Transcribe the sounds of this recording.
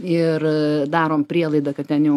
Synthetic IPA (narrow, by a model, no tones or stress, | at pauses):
ɪrd̪ɑːɾoːmpʲɾʲiɛlˠɐɪd̪ɐkɐtt̪ʲɛnjɛʊ